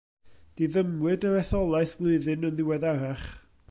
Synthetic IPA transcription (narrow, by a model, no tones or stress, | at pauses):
d̥iðəmwɨdəɾɛθɔlˠaɨθvlˠʊɨðɨnənðɪwɛðaɾaχ